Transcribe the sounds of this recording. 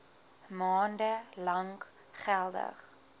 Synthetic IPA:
mɑːndəlɐŋk | χælˠdə̰χ

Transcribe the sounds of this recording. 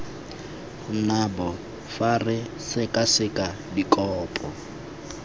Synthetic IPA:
nabɔ | farɪsɪkʼasɪkʼa | dikʼɔːpʼɔ

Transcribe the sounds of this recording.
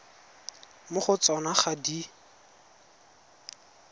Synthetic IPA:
mʊχʊt͡sɔnaχadi

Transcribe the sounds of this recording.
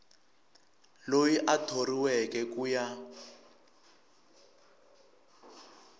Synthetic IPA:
lojiʔatʰoriwɛkɛkuja

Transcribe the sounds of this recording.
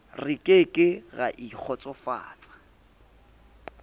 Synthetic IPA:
rɪkʼekʼɪɣaʔik͡xʰɔt͡sʼɔfa̰ːt͡sʼḁ

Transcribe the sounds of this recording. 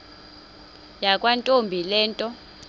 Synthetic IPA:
jakʼwantʼombʱilɛːntʼɔ

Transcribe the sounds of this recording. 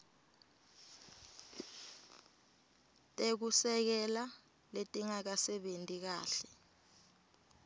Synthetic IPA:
tʼek̬usɛk̬ɛla | letʼiŋak̬asɛɓentʼik̬aːɬɛ

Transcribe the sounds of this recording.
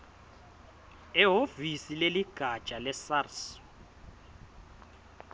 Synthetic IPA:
ɛɦovisileliɡ̥ʱat͡ʃʼalɛsars

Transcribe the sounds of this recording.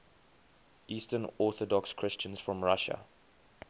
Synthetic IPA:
iːstənɔˑθɔdɔkskʰɹ̥ɪst͡ʃə̃nz̥fɹɔ̃mɹaʃə̰

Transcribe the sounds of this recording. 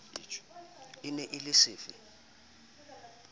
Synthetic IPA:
ɪnɛʔɪlɪsiːfɪ

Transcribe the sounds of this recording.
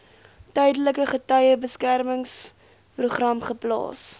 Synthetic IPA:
tœjdələkəχətœjəbəskærməŋs | pruχrɐmχəplɑ̰ːs

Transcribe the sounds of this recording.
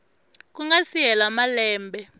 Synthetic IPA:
k̬ʼuŋɡasiɛlamalɛːmbɛ

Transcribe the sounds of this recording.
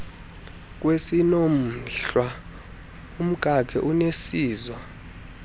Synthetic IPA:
k̬ʼwesinom̩ɬwa | um̩ɡ̥ʱakʰɛʔunesiːzwa

